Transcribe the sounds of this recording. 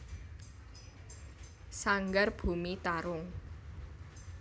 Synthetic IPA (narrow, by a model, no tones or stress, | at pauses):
saŋɡarb̥ṳmit̪aɾʊŋ